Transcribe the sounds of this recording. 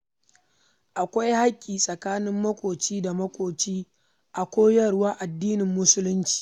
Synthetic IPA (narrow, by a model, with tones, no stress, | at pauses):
ʔa˨kʷa˦jha˦kʲʼːiː˨sʼɐ˨kaː˦nɪ˦mːɐ˦kʷʼoː˨t͡ʃiː˦da˨mɐ˦kʷʼoː˨t͡ʃiː˦ | ʔa˨kʷoː˦jɐ˦˨ɽwaː˦ʔa˨dːiː˦nɪ˨mːʊ˦sʊ˦lʊ˦nt͡ʃi̥ː˨